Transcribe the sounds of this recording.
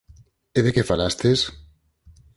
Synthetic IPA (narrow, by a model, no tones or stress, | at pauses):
eðekefalast̪es